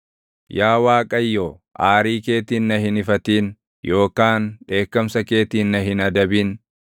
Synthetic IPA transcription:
jaːwaːkʼɐjːoː | ʔaːɾiːke̞ːt̪iːnːɐhɪnɪfɐt̪iːn | jo̞ːkaːnᶑe̞ːkːɐmsɐke̞ːt̪iːnːɐɦɪnɐd̪ɐbiːn

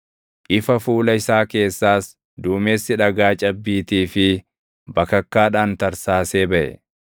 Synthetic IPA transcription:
ʔɪfɐfuːlɐɪsaːke̞ːsːaːs | d̪uːme̞ːsːɪᶑɐɡaːt͡ʃʼɐbːiːt̪iːfɪ | bɐkɐkːaːᶑaːnt̪ɐɾsaːse̞ːbɐʔɛ̰

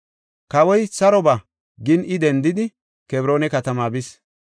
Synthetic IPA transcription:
kɐwɔjsɐɾɔbɐ | ɡɪnɪd̪ɛnd̪ɪd̪ɪ | kɛbɾo̞ːnɛkɐt̪ɐmaːbɪs

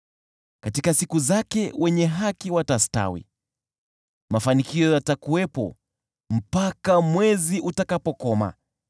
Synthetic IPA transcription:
katikasikuzakɛwɛɲɛɦakiwatasta̰wḭ | mafanikiɔjatakuwɛpɔ̰ | m̩pakamwɛziʔutakapɔkɔma̰

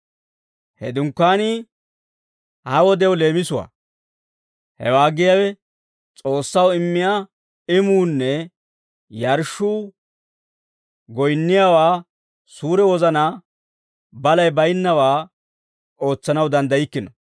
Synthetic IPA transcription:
hɛd̪ʊŋkːaːni | hɐwɔd̪ɛwle̞ːmɪsʊwa̰ː | hɛ̰waːɡɪjawɛ | t͡sʼo̞ːsːɐwɪmːɪjaː | ɪmuːnːɛ | jɐɾʃuː | ɡɔjnːɪjaːwaː | suːɾɛwɔzɐnaː | bɐlɐjbɐjɪnːɐwaː | o̞ːt͡sːɐnɐwd̪ɐnd̪ɐjɪkːɪnɔ

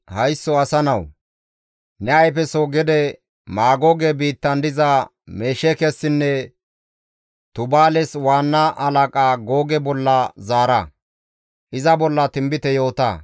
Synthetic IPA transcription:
hɐjsːɔɐsɐnɐw | nɛɐjpɛsoɡɛd̪ɛ | maːɡoɡɛbiːt̪ːɐnd̪ɪzɐ | meːʃɛkɛsːɪnːɛ | t̪ʊbaːlɛswaːnːaʔɐlakʼaːɡoːɡɛbɔlːɐzaːɾɐ | ʔɪzɐbɔlːɐt̪ɪmbɪt̪ɛjo̞ːt̪ɐ̰

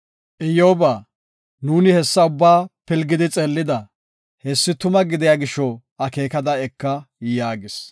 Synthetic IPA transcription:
ʔɪjoːbaː | nuːnɪhɛsːɐʊbːaːpɪlɡɪd̪ɪt͡sʼɛlːɪd̪ɐ | hɛsːɪt̪ʊmɐɡɪd̪ɛjaːɡɪʃːɔ | ɐkeːkɐd̪ɐɛkːɐjaːɡɪs

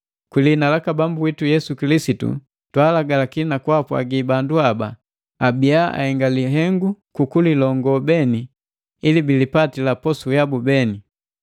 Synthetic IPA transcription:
kwilinalakabambuwitujɛsukilisitṵ | twalaɡalakinakwapwa̰ɡibanduabaː | biaa̰hɛŋɡaliɦɛŋɡukukulilɔŋɡɔbɛni | ilibilipatilapɔsujabubɛni

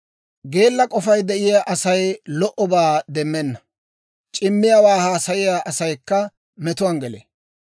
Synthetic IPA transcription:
ɡe̞ːlːɐkʼɔfɐjd̪ɛʔɪjaːʔɐsɐjlɔʔɔbaːd̪ɛmːɛnːɐ | t͡ʃʼɪmːɪjawaːhaːsɐjɪjaːʔɐsɐjkːɐ | mɛt̪ʊwɐːnɡɛlḛː

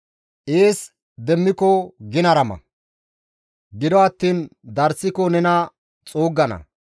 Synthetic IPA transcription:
ʔeːs | d̪ɛmːɪkɔɡɪnɐɾɐmɐ̰ | ɡɪd̪ɔɐt̪ːiːnd̪ɐɾsːɪkɔnɛnɐ | t͡sʼoːɡːɐnɐ̰

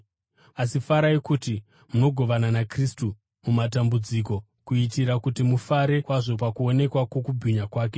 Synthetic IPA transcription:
asifaɾaikuːti | muno̞ɡʱo̞ʋananakristu | mumatambud͡ziko̞ | kuitiɾakutimufaɾe̞kwaʐo̞pakuone̞kwakwo̞kubʱiɲakwaːke̞

